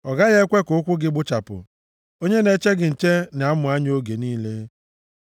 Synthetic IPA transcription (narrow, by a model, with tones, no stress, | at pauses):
ɔ˨ɡa˦ɣe˦kʷe˦kʊ˨ʊ˦kʷʊ˦ɡɪ˦ɡ͡bʊ˦t͡ʃa˨pʊ̰˨ | o˦ɲe˦ne˨˦t͡ʃe˦ɡɪ˨n̩˨t͡ʃe˦n˨a˦mʊ˨a˦ɲ˦o˦ɡe˨niː˦le˦